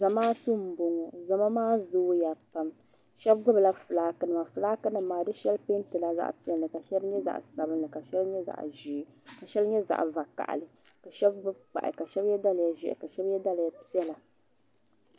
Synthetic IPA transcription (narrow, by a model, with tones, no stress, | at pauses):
za˨maː˦tu˦m̩˨bo˨ŋɔ˨za˨ma˦maː˦zoː˦ja˨pa˦m | ʃɛ˦bɡʊ˦bla˦fɨ˨laː˦kɨ˦nɨ˨ma˨fɨ˨laː˦kɨ˦nɨː˨aː˨dɨ˦ʃɛ˦lpe˦n˦tɨ˨la˦za̰˦ʔti˦ɛ˦nː˨ɨ˨ka˨ʃɛ˦bɲɛ˦za̰˨ʔsa˨bɨ˦nlɨ˨ka˨ʃɛ˦lɲɛ˦za̰˨ʔʒi˨˦ka˨ʃɛ˦lɲɛ˦za̰˨ʔva˨ka̰˨ʔlɨ˨ | ka˨ʃɛ˦b̚ɡ͡bʊ˦b̚k͡pa̰˨ʔɪ̰˨ka˨ʃɛ˦bjɛ˦da˦lja˨ʒɛ̰˦˨ʔɪ̰˨ka˨ʃɛ˦bjɛ˦da˦lja˦˨pi˦ɛ˦la˨